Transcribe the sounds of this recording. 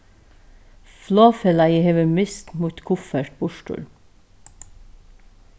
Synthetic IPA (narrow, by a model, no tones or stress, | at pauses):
floːfɛlɑiːheːʋəmʏst̪muːt̪kʰʊfəʈ̚bʊʃʈʉ̰l